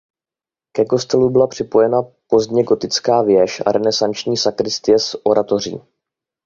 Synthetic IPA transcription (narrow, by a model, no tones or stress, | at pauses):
kɛko̞st̪ɛlubɪlapr̝̥ɪpo̞jɛnapo̞zdɲɛɡo̞t̪ɪt͡skaːvjɛʃʔa̰ɾɛnɛsant͡ʃɲiːsakɾɪst̪ɪjɛsʔo̞ɾʔat̪o̞r̝ḭː